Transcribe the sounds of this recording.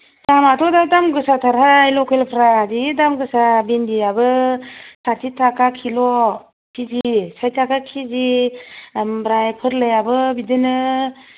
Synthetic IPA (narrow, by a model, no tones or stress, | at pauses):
d̥amatʰɔdadamɡɯsatʰaɾɦajlɔkʰelpʰɾazidamɡɯsabendiabɯsaɾtitʰakakʰilɔ | pʰizisajtʰakakʰizi | mbɾajpʰɯɾlejabɯbidɯnɯ